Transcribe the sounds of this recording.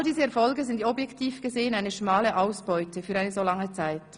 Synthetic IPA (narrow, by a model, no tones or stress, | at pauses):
lədiːzəɛɐfɔlɡəzɪndtɔbjɛktʰiːfɡ̥əzeːənaɪnəʃmaːləʔaʊsb̥ɔʏtəfyːɾaɪnəzoːlɑŋət͡saɪt